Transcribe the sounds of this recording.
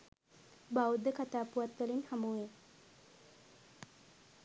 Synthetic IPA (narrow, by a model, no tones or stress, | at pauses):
bawd̪əkat̪aːpuwat̪ʋəlinhamue